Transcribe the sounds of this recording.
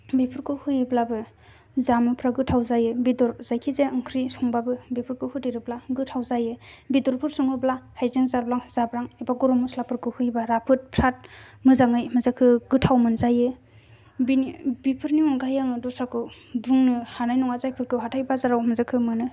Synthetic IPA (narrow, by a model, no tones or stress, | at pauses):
bipʰɯɾkʰɯhɯjɯblabɯ | zamɯpʰɾaɡɯtʰawzajɯbidɔɾzajkʰizeɯŋkʰɾisɔŋbabɯbipʰɯɾkʰɯhudijɾɯblaɡɯtʰawzajɯbidɔɾpʰɯɾsuŋɯblahajzeŋzablaŋzabɾaŋajbaɡɔɾɔmuslapʰɯɾkʰɯhujbaɾapʰɯt̚pʰɾat̚mɯzaŋɯjmɯzakʰɯɡɯtʰawmɯnzajɯ | binbipʰɯɾniɔŋɡajaŋɯdɔsakʰɯ | buŋnɯhanajnɔŋazajpʰɯɾkʰɯɦatʰajbazaɾawmɯzakʰɯmɯnɯ